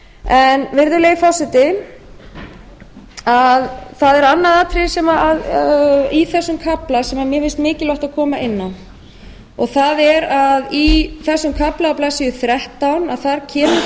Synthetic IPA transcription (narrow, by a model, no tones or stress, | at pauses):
ɛnvɪɾðʏleːjɪfɔwsɪt̪ɪ | aðθaðɛɾanːaðaːt̪ʰɾɪsɛmaað | iθɛsːʏmkʰaplasɛmamjɛvɪlst̪mɪːcɪlɔht̪aðkʰɔːmaʔɪnːan | ɔɣθaðɛɾaðiθɛsːʏmkʰaplaawplaːsɪjʏθɾɛht̪awnaðθaɾcʰɛːmɪ